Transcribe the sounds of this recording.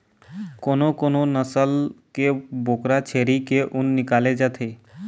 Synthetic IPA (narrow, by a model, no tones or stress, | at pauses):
koːnokoːnonəsəlkeboːkɾat͡ʃʰeːɾikeʔʊnːɪkaːled͡ʒaːt̪ʰeː